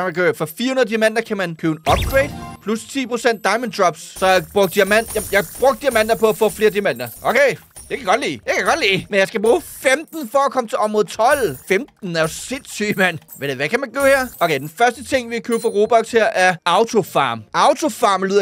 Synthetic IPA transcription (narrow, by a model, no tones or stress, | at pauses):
æmænɡ̥øːefɒ̽fḭɐhunɐðˠd̥imæn̰d̥ɐkʰæmænkʰøʊenɒ̽b̥̚ɡ̥ʁeɪd̥pʰlust͡sʰḭːpʰʁo̝sen̰d̥ːɑ̈ɪmənd̥ʁɒ̽b̥sːɒ̽b̥ʁɔ̽ɡ̥d̥iæɐmæn̰jɑjɑ̈b̥ʁɔɡ̥̚d̥iɐmæn̰d̥ɐpʰɒ̽æfɔ̽ːfle̝ːɐd̥imen̰d̥ɐʔokʰeɪ | d̥e̝kʰæɡ̥ɒ̽d̥lḭːd̥e̝kʰæjɡɒ̽d̥lḭːmenjɑ̈ɪsɡ̥æb̥ʁuːfemd̥n̩fɒ̽ækʰɒ̽mət͡sʰe̝lɒ̽b̥mɔ̽ð̩ˠt͡sʰɒ̽l̰femd̥n̩æɐjosed̥symæn̰ʋeɾeʋækʰæmænɡ̥ø̰ːheɐʔokʰeɪd̥enfɶɐsd̥ət͡sʰe̝ŋ̰ʋiækʰøʊfɑʁo̝ːb̥ɒ̽ɡ̥sheɐ̰ʔæɐɑ̈ʊt͡sʰo̝fɑ̈ːmʔɑ̈ʊt͡sʰo̝fɑ̈ːmlyð̰ˠ